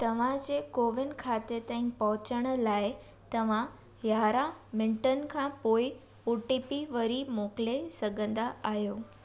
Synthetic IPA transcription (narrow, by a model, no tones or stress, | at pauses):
t̪əʋ̤ãd͡ʑekoʋɪɳɖkʰat̪et̪ãĩk̚pəɦʊt͡ɕəɽ̃lae | t̪əʋã | jaɾãmɪ̃ɳʈənkʰãpoi | puʈipiʋəɾimoklesəɡə̃nd̪aaɦjo